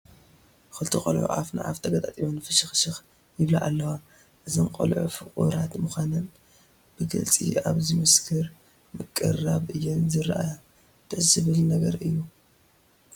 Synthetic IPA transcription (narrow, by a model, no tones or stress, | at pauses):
kɨlt̪ʰixʼɐ̰lʕṵʔa̰fna̰ʕa̰ft̪ʰɐɡɐt̪ʼat̪ʼiβonfɨʃɨxʃɨx | jɪβlaʔalːɐwa | ʔɨzɐnqʼɐ̰lʕufɨkʼṵɾat̪mɨxʷanɐn | b̥ɨɡɨ̰lt͡sʼḭaβzimɨskʰɨɾ | mɨkʼːɐraβʔɨjːɛnzɨɾʔaja | t̪ʰɨʕzɨβɨlnɐɡɐɾɨjːu